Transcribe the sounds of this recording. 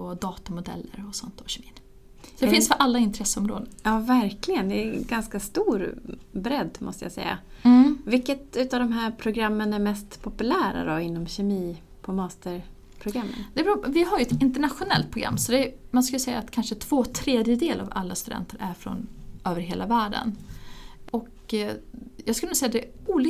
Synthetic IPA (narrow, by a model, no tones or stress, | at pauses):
ɔd̪ɑːt̪amʊd̪ɛ̰lːə̰ɾɔsɔnt̪ɔɕɛmiːn | sɔd̪ɛɪnsfəɾʔalːaɪnt̪ʰɾɛsəɔmɾoːd̪ənjɑːvæɾklɪɡənd̪ɛɡanskast̪uːɾbɾɛd̪ːmʔɔ̰st̪əja̰sɛ̰jːa̰vɪkːət̪ʉ̟ːt̪avd̪ɔmɦæːɾpʰɾʊɡɾamːənæɾmɛst̪pʰɔpɵlæːɾa̰d̪ɔɪnːɔmɕɛmiː | pʰɔmɑːst̪əɾ | pʰɾʊɡɾamːə̰nd̪ɛbɾuvɪɦaɾjəɛt̪ɪnt̪əɳaɧʊnɛ̰lt̪̚pʰɾʊɡɾa̰mːsɔd̪ɛmanskɵləsɛjːa̰ːt̪kʰanʂət̪ʰv̥oːt̪ʰɾeːd̪jəd̪eːlʔa̰va̰lːast̪ɵd̪ɛ̰nt̪ʰəɾʔæɾfɾɔ̰nøːvəɾɦeːlavæːɖə̰n | ɔk | jɑːɡskɵlːsɛjːad̪ɛuːl